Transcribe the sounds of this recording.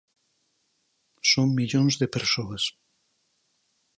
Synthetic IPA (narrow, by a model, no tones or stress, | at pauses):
soŋmiʎonzðepeɾsoɐs